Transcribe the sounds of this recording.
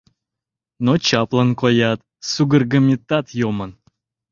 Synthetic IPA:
not͡ɕɑplˠənkojɑt̪ | suɡərɡəmʲit̪ːɑt̪jomən

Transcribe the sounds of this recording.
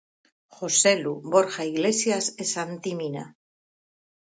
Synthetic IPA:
xose̞luβo̞ɾxaiɣle̞sjasesant̪imina̰

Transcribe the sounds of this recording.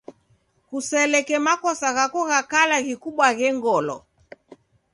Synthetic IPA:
kusɛlɛkɛmakɔsaɣakɔɣakalaɣikuɓwaɣɛŋɡɔlɔ̰

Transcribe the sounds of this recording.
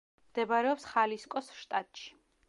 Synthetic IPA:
md̪̥ɛbaɾɛɔpsχaliskʼɔsʃt̪ʼat̪ʼʃi̥

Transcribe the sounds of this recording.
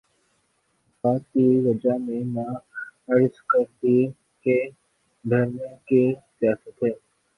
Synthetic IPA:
faːtːiʋəd͡ʒamẽmãːəɽɪskəɾt̪i | ke | bʱeːɾnẽkisɪjaːsət̪ɦɛː

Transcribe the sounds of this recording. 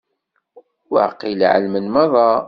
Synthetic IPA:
w̰ʕqilʕə̰lmənmɑðˤɑ

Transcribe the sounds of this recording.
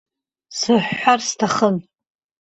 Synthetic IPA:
sɨħːʷarstʰaχən

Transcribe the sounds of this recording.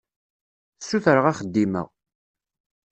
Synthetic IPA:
sːuθɾəʁaχəd̪ːimə̰ʁ

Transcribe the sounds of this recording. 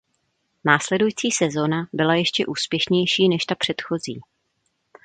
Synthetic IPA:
naːslɛdujiːt͡siːsɛzo̞nabɪlajɛʃcɛʔuːspjɛʃɲɛjʃiːnɛʃt̪apr̝̥ɛt̪xo̞zḭː

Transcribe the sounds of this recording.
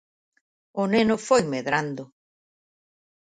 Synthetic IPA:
ʊnenʊfojmeðɾand̪ʊ

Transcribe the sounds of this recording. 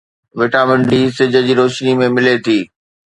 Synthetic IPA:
ʋɪʈaːmə̃ɳɖisɪd͡ʑʱə̆d͡ʑiːɾoːʃnimẽmɪlet̪ʰiː

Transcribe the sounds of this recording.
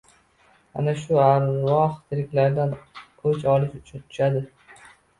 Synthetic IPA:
a̰naʃʊaɾwɒχt̪ʰɪɾɪkʲlaɾd̪an | ɵt͡ʃɒlɪʃʊt͡ʃʰʊnt̪ʰʊ̥ʃad̪ɪ

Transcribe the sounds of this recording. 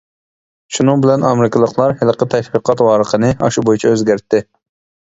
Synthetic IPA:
ʃunɨŋbɪlɛnɑmɾɪkʲɪlˠəqlˠɑɾhɪlˠqət̪ʰɛʃwiqʰɑt̪wɑːɾəqʰənɨɑ̰ʃubojut͡ʃʰɛøzɡʲæɾt̪ːɪ

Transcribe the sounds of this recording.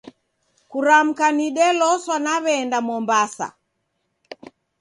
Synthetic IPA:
kuɾam̩kaniɗɛlɔswanaβɛːndamɔmbasa̰

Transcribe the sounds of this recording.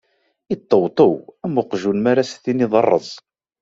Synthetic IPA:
it̪ˤːəwt̪ˤəwæmʊqʒunmaɾasθiniðˤɑrˤːə̰zˤ

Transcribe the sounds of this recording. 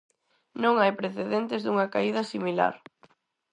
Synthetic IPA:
nõŋajpɾeθeðent̪ɪzðuŋɐkaið̞ɐsimila̰ɾ

